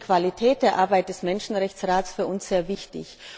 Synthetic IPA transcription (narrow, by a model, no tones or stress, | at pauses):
kv̥alitʰɛːt̚d̥eːɐʔaɐbaɪt̚d̥ɛsmɛnʃn̩ʁɛçt͡sʁaːtt͡sfyːɐʊnsz̥eːɐvɪçtɪ̰ç